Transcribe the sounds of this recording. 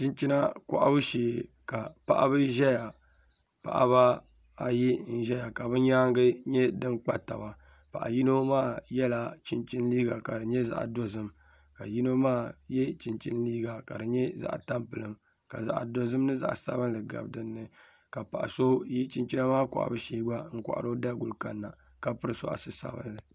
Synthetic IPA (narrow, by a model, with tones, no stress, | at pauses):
t͡ʃi˦nt͡ʃi˦na˦ka̰˨ʔa̰˦bɨ˦ʃeː˨ | ka˨pa̰˨ʔa̰˦bɨ˦ʒɛ˦ja˨ | pa̰˨ʔa̰˦ba˦ | a˦ji˦n̩˦ʒɛ˦ja˨ka˨bɨ˦ɲaː˦ŋɡɨ˦ɲɛ˦dɨ˦nk͡pa˦ta̰˨ba˨ | pa̰˨ʔa̰˨ji˦no˦maː˦˨jɛ˦la˦t͡ʃi˦nt͡ʃi˦n˦liː˦ɡa˨ka˨dɨ˨ɲɛ˦za̰˦ʔa̰˨do˦zɨ˦m | ka˨ji˦no˦maː˦˨jɛ˦t͡ʃi˨nt͡ʃi˦nliː˦ɡa˨ka˨dɨ˨ɲɛ˦za̰˦ʔa˨ta˦mpɨ˨lɨ˦m | ka̰˨za̰˨ʔdo˦zɨ˦m˦nɨ˦za̰˨ʔsa̰˦βɨ˦nlɨ˨ɡa̰˨bdɨ˦nːɨ˦ | ka˨pa˨ʔa̰˨so˦ji˦t͡ʃi˦nt͡ʃi˦na˦maː˦kɔ̰˨ʔa̰˨bɨ˦ʃeː˦ɡ͡ba˦ŋ̩˦kʷa̰˨ʔa̰˨ɾo˦da˦ɡʊ˨lka˦nːa˨ | ka˦pɨ˦ɾɨ˨sɔ̰˨ʔa̰˨sɨ˦sa̰˨bɨ̰˦nlɨ˨